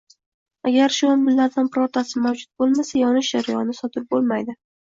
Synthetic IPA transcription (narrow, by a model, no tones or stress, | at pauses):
aɡʲaɾʃʊambɪlːaɾd̪anpɾɒɾt̪ʰasɪmawd͡ʒʊt̪̚bolˠmasajɒnɪʃd͡ʒaɾajɒnɪsɒt̪ʰɪɾ̚bolˠmajd̪ɪ